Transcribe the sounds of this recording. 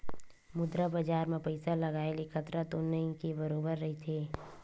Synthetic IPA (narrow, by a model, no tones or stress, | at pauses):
mʊd̪ɾabad͡ʒaːɾmẽpəɪsalɐɡaːelekʰət̪ɾat̪onːəikebəɾoːbəɾːɐɦit̪ʰeː